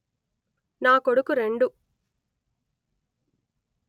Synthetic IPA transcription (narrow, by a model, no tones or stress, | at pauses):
naːkoɽukːuɾe̞ɳɖu